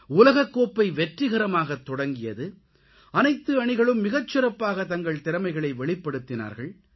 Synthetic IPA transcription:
ʊlɐɣɐkːoːpːɐɪʋɛʈrɪɣɐɾɐmaːɣɐt̪ːɔɽɐŋɡɪjɐ̰ðɯ | ɐnɐɪt̪ːɯɐɳɪɣɐɭɯmːɪɣɐt͡ʃːɪɾɐpːaːɣɐt̪ɐŋɡɐɭt̪ɪɾɐmɐɪɣɐɭɐɪʋɛɭɪpːɐɽɯt̪ːɪna̰ːɾɣɐɭ

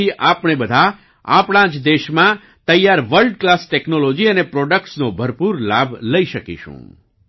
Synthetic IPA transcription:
iʔapɳ̃ebəd̪ʱa | a̰pɽ̃ãd͡ʒd̪eʃmã | t̪əjaɾʋəlɖklasʈɛknolɔd͡ʒiənepɾɔɖək̚ʈsnobʱəɾpuɾlabʱləiʃəkḭʃṵ̃

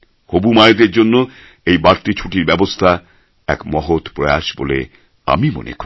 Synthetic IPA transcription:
hobumaed̪eɾd͡ʑonːo | ejbaɾt̪it͡ɕʰuʈiɾbɛbost̪ʰa | ɛ̰kmɔɦot̪pɾɔea̰ʃbolḛ | a̰mimo̰nḛko

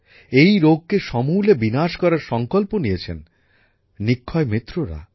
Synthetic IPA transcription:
ejɾoɡ̚keʃɔmulebinaʃkɔɾaɾʃɔŋkolponijet͡ɕʰḛn | nikʰːɔemɾit̪ːɾoɾa̰

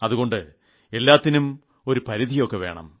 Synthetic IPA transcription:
ɐðuɣo̞ɳɖɨ | e̞lːaːt̪ːinum | o̞ɾupɐɾiðʱijo̞kːe̞ʋe̞ːɳɐ̰m

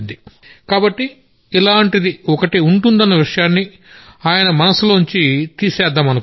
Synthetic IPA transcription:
nd̪i | kaːbɐʈːiː | laːɳʈid̪iɔkɐʈiuɳʈund̪ɐnːɐʋiʂɐjaːnːi | aːjɐnɐmɐnɐsuloːɲt͡ʃit̪iːsɛːd̪ːaːmɐnɐk

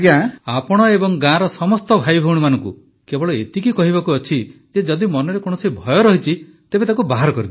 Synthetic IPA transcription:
ɡjãapɔɽ̃ɔebɔŋɡãɾɔsɔmɔst̪ɔbʱajbʱɔɽ̃imanɔŋkṵ | kebɔɭɔet̪ikikɔɦibakuɔt͡ʃʰid͡ʒed͡ʒɔd̪imɔnɔɾekoɽ̃ɔsibʱɔjɔɾɔɦit͡ʃʰi | t̪ebet̪akubaɦaɾɔkɔɾib̪

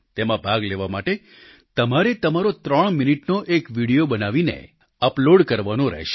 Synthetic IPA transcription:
t̪emãbʱaɡleʋamaʈe | t̪əmaɾet̪əmaɾot̪ɾəɳ̃miniʈnoʔekʋiɽijobənaʋinḛ | əploɖkəɾʋanõɾɛ̰ɦʃe̥

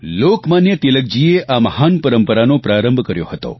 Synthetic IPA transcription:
lokmanjət̪ilək̚d͡ʒieʔamɐhaːnpəɾəmpəɾanopɾaːɾə̃mbʱkəɾjo̰ɦət̪o̰

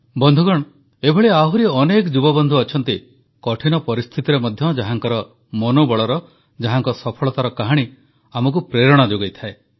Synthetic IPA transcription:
bɔnd̪ʱuɡɔɽ̃ | ebʱɔɭeaɦuɾiɔnekɔd͡ʒubɔbɔnd̪ʱuɔt͡ʃʰɔnt̪i | kɔʈʰinɔpɔɾist̪ʰit̪iɾemɔd̪ʱjɔd͡ʒaɦaŋkɔɾɔ | mɔnobɔɭɔɾɔ | d͡ʒaɦaŋkɔsɔpʰɔɭɔt̪aɾɔkaɦaɽ̃i | amɔk̬upɾeɾɔɽ̃ad͡ʒoɡejt̪ʰae

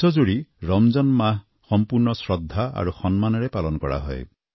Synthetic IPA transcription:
ɔd͡ʒuɽiɾɔmd͡ʒɔnmaɦ | xɔmpuɾnɔsɹɔd̪ʱːaa̰ɾuxɔnmanɔɾepalɔnɔkɔa̰ɦɔe

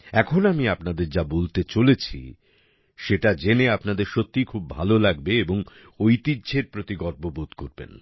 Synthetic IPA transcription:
ɛkʰonamiapnad̪eɾd͡ʑabolt̪et͡ɕolet͡ɕʰḭ | ʃeʈad͡ʑeneapnad̪eɾʃot̪ːikʰubːʱa̰lolaɡbeeboŋ | ojt̪idːd͡ʑʱeɾpɾot̪iɡɔʈ̚bobud̪ʱkoɾbḛn

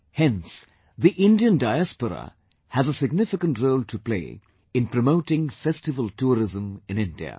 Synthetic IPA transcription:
hɛ̃ns | ðiʔɪ̃ndiə̃ndaɪæspəɾə̰ | hæzəsɪɡ̚nɪfɪkə̃ntɹoʊltʰəplḛɪ | ɨ̃npʰɾəmoʊtɪ̃ŋfɛstɨvəltʰuːɾɪzə̃mɨ̃nɪ̃ndḭə̰

